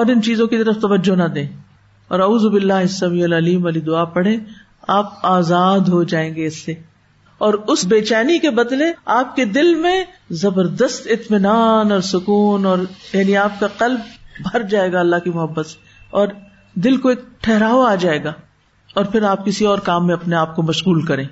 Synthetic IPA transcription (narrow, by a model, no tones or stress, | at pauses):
ɔːɾɪnt͡ʃiːzõkit̪ɐɾəft̪ɐʋəd͡ʒːonɐd̪ẽː | ɔːɾɐuːzobɪlːaːɦɪsːɐmiːɛlɐliːmʋɐlid̪ʊaːpɐɽ̤ẽː | aːp̚aːzaːd̪ɦod͡ʒaːẽːŋɡeɪsːe | ɔːɾʊsbeːt͡ʃaːnikebɐd̪leaːp̚ked̪ɪlmẽ | zɐbəɾd̪əst̪ɪt̪mɪnaːnɔːɾsʊkuːnɔːɾjaːniaːp̚kaqɐlbːʱɐɾd͡ʒaːeːɡaɐlːaɦkimʊɦəbːət̪se̥ | ɔːɾ | d̪ɪlkoeːk̚ʈʰɛɦɾaːoaːd͡ʒaːeːɡaː | ɔːɾpʰɪɾaːp̚kɪsiɔːɾkaːmːẽɐpneaːp̚komɐʃɣuːlkɐɾẽː